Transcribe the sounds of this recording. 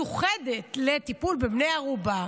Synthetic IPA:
uχede̞t̪le̞tipulbebnejaʁuba

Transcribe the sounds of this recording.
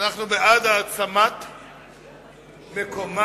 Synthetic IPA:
naχnubead̪aːt͡samat̪ | mekoma

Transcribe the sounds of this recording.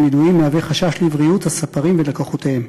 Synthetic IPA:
niduimːeaveχaʃaʃlivʁijut̪hasapaʁimvelakoχot̪ehem

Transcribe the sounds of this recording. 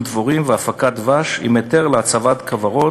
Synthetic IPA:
d̪voʁimveafakat̪vaʃḭmet̪eʁleat͡savat̪kʰavaʁo

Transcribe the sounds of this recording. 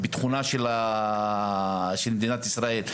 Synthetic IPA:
bet̪χunaʃela | ʃelmed̪inat̪isʁae̞l

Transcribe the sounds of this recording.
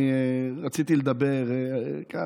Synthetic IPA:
iʁat͡sit̪iled̪abeʁeka

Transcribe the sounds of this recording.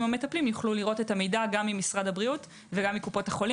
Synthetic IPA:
mhame̞taplimjuχluliʁo̞tetamejdaɡamːimisʁadhabʁiut | veɡamːikupo̞thaχo̞li

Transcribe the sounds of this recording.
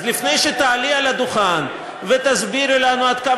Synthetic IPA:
zlifne̞jʃet̪aːlialad̪uχan | vet̪azbiɾelanuad̪ka

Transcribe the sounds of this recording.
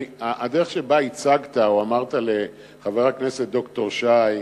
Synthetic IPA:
aadeʁe̞χʃe̞bait͡saɡt̪aoamaʁtale̞ | χaveʁakne̞se̞t̚do̞kto̞ʁʃaj

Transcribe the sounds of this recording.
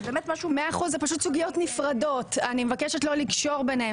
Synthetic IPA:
beːmet̪maʃumeaːχuzzepaʃutsuɡijo̞tnifʁado̞tanimevakeʃetlo̞likʃo̞ʁbenhe

